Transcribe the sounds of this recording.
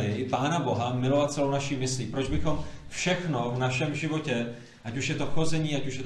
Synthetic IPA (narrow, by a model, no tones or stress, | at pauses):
ɪpaːnabo̞ɦamɪlo̞vat̪̚t͡sɛlo̞wnaʃiːmɪsliːpɾod͡ʒbɪxo̞mfʃɛxno̞vnaʃɛmʒɪvo̞cɛ | ʔacuʃjɛt̪oxo̞zɛɲiːacuʃjɛ